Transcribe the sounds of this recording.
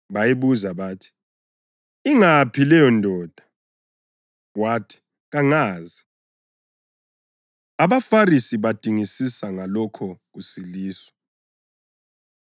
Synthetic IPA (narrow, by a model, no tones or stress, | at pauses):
βajiβuzaβaːtʰi̥ | iŋapʰilɛjɔndʱɔːd̥ʱa | watʰi̥ | ɣaŋaːzi | aβafarisiβad̥ʱiŋisisaŋalɔkʰɔɣusiliːswɔ̥